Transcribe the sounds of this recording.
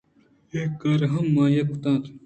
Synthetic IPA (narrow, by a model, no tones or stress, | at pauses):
eːkːɐɾɦɐmːãːjɐkut̪ãːt̪